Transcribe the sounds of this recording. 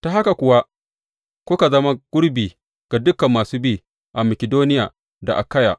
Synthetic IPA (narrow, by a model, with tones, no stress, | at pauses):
ta˨ɦa˦ka˨kʷʊ˨wa˦ | kʷʊ˦ka˨zɐ˦ma˦ɡ̥ʊ˦ɽbiː˨ | ɡ̥a˨dʊ˦kɐ˨mːaː˨suː˦biː˦ | ʔa˨mɐ˨kʲɪ˨doː˦nɪ˦ja̰ː˨ | da˨ʔa̰˨ka˦ja̰˨ʔ